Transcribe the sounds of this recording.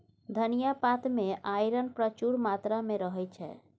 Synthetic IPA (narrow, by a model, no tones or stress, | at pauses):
d̪ʱənijapat̪meajɾənpɾət͡ʃuɾmat̪ɾameɾəɦɛjt͡ʃʰɛ̰